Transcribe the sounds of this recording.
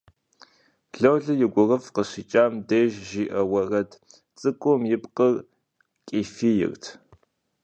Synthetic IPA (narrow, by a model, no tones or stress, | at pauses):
ɮɐwɮɨjɪɡʷʊrɐfqəɕiːt͡ʃʼaːmdeːʒʒiːʔɐwɐrɐtʰ | t͡sʼɨkʷʼɔmjɪpqər | kʼiːfiːjɪ̰rtʰ